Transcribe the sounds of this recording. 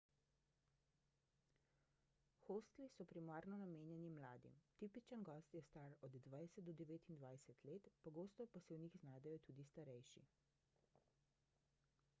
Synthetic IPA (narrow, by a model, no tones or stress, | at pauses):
xost̪lisɔpɾimaːɾnɔnameːnjɛnimlaːd̪ḭmt̪ipit͡ʃənɡɔst̪jɛst̪aːɾɔd̪ːʋajsət̪̚d̪ɔd̪ɛʋeːt̪ind̪ʋajsət̪leːt̪pɔɡoːst̪ɔpasɛwnixznaːd̪ɛjɔt̪uːd̪ist̪aɾɛjʃḭ